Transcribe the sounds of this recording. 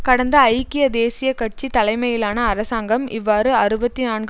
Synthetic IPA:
kɐɽɐnd̪ɐːɪjkːɪjɐd̪eːsɪjɐkɐʈ̚t͡ʃit̪ɐlɐɪmɐjɪlaːnɐːɾɐsaːŋɡɐmɪʋːaːɾɯɐɾɯbɐt̪ːinaːnɡ

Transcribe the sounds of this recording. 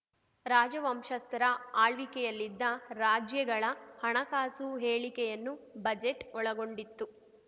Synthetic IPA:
ɾaːd͡ʒɐʋɐmʃɐst̪ɐɾɐaːɭʋikɛjɐlːid̪ːɐɾaːd͡ʒjɐɡɐɭɐhɐɳɐkaːsuɦeːɭikɛjɐnːubɐd͡ʒeʈɔɭɐɡo̞ɳɖit̪ːu

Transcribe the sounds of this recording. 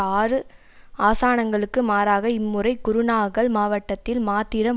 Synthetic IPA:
aːrɯ | aːsaːnɐŋɡɐɭɯkːɯmaːɾaːɣɐɪmːɯrɐɪkʊɾʊnaːɣɐɭmaːʋɐʈːɐt̪ːɪlmaːt̪ːɪɾɐm

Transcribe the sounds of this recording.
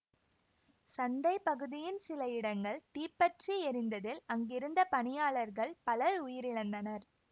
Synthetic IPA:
sɐnd̪ɐɪpɐɣɯðɪjɪnsɪlɐɪɽɐŋɡɐɭt̪iːpːɐʈriɛɾɪnd̪ɐðɪlɐŋɡɪɾɯnd̪ɐpɐɳɪjaːɭɐɾɣɐɭpɐlɐɾʊjɪɾɪɽɐnd̪ɐnɐɾ

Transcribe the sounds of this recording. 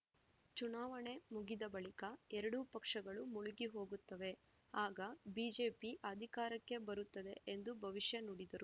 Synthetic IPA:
t͡ʃunaːʋɐɳe̞muɡid̪ɐbɐɭikɐɛɾɐɽupɐkʂɐɡɐɭumuɭuɡiɦo̞ːɡut̪ːɐʋe̞ | aːɡɐbiːd͡ʒe̞ːpiʔɐd̪ʱikaːɾɐkːe̞bɐɾut̪ːɐd̪e̞ʔend̪ubʱɐʋiʃjɐnuːɽid̪ɐɾu

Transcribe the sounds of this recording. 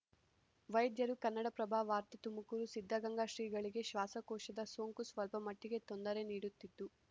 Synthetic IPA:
ʋɐjɐd̪jɐɾukɐnːɐɽɐpɾɐbʱaːʋaːɾt̪it̪umukuːɾusid̪ʱːɐɡɐŋɡaːʃɾiːɡɐɭiɡe̞ʃʋaːsɐkɔːʃɐd̪ɐso̞ːŋkusʋɐlpɐmɐʈːiɡe̞t̪o̞nd̪ɐɾe̞niːɽut̪ːit̪ːu

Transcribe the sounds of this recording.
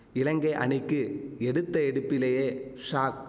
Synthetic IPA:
ɪlɐŋɡɐɪʔɐ̰nɪkːɯɛɽɯt̪ːɐɛɽɯpːɪlɐjeːʂaːk̚

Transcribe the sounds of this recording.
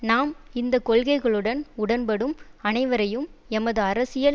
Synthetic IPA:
naːmɪnd̪ɐkːɔɭɣɐɪɣɐɭɯɽɐnʊɽɐnpɐɽɯmɐnɐɪʋɐɾɐjɯmɛmɐðɯɐɾɐsɪjɐl

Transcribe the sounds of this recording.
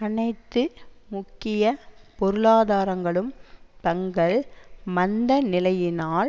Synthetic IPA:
ɐnɐɪt̪ːɯmʊkːɪjɐpɔɾɯɭaːðaːɾɐŋɡɐɭɯmt̪ɐŋɡɐɭmɐnd̪ɐnɪlɐjɪnaːl

